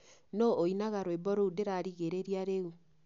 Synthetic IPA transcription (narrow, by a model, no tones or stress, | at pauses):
nooinaɣaɾwebɔɾoudeɾaɾiɣeɾeɾiaɾeu